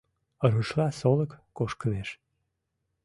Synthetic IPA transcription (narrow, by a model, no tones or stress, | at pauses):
əɾuʃlɑsoləkːoʃkəneʃ